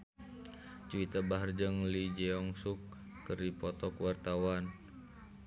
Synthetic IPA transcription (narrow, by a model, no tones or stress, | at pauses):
t͡ʃuwit̪abaɦard͡ʒəŋlid͡ʒɛɔŋsukː | əripɔt̪ɔkwart̪awan